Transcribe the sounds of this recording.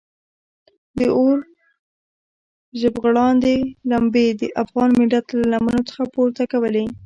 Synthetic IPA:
d̪əʔoɾ | ʒəbɣɽɑnd̪elambed̪əʔafɣɑnmiɖat̪lalamənot͡sə̥xapoɾt̪akawəle

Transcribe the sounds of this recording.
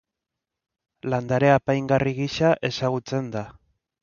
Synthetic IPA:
land̪aɾe̞apajŋɡariɣiʃaʔe̞saɣut͡se̞nd̪a

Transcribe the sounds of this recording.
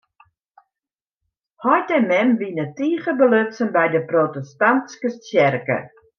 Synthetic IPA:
hɔjtɛmɛmʋinətiːɣəbəløtsənbɛjdəprotəstanskətjɛrkə̰

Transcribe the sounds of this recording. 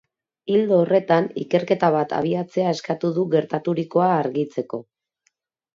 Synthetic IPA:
ild̪oːre̞t̪anḭke̞ɾke̞t̪aβ̞at̪a̰β̞iat͡se̞ae̞skat̪uðuɣe̞ɾt̪at̪uɾiko̞aːɾɣit͡se̞ko̞

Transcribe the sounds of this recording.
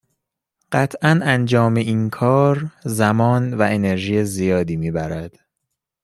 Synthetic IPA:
ɢ̥æt̪ʰʔænænd͡ʒɒːme̞ʔiːnkʰɒːɾzæmɒːnvæʔe̞ne̞ɾʒiːjezijɒːd̪iːmiːbæɾæd̪̥

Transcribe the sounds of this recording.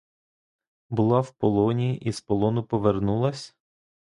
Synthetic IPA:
bʊlˠɑwpɔlˠɔnʲiiʔispɔlˠɔnʊpɔʋernulˠɐsʲ

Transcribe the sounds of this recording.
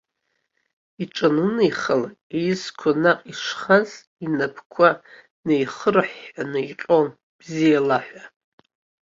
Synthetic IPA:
iʈ͡ʂʼanɨnejχəl | ejskʷʰanaqʼiʂχaz | inapʰkʷʰa | nejχərħːanɨiqʲʼon | b̥zijalaħʷa

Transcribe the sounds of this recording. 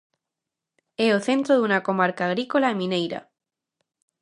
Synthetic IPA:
eoθe̞nt̪ɾoðunakomaɾkaːɣɾikolaemĩnejɾa̰

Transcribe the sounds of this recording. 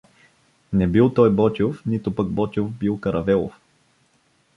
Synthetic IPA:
nɛbilˠt̪ɔjbɔt̪ʲofnit̪ʊpəɡ̚bɔt̪ʲovbilˠkɐɾʔɐvɛlˠo̰f

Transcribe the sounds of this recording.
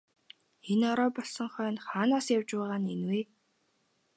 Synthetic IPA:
enɔɾɔːpɔɮsɞ̆ŋχœːnχaːnaːsjawt͡ɕpæːʁaːnenweː

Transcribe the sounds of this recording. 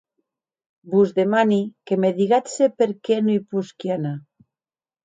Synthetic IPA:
buzd̪emanikemeðiɣat̪sepeɾkenuipuskiana

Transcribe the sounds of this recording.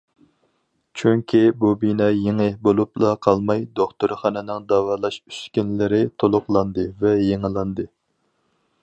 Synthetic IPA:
t͡ʃʰyŋkʲʰibubinɛjeŋɨhbolˠuplˠɑqʰɑlˠmɑjd̪oχt̪uɾχɑnɨnɪŋd̪ɑːwɑːlˠɑʃy̥skʲynlɪɾɪt̪ʰolˠʊqlˠɑnd̪ɨvɛjeŋɨlˠɑnd̪ɨ

